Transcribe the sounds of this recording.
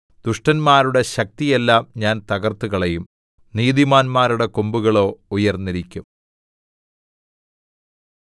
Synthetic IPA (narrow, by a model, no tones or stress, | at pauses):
d̪̥uʂʈɐnmaːɾuɽe̞ɕɐk̚t̪ije̞lːaːmɲaːnt̪ɐɣɐrt̪ːuɣɐɭe̞jum | niːðimaːnmaːɾuɽe̞kombuɣɐɭo̞ːujɐrnːiɾikʲːum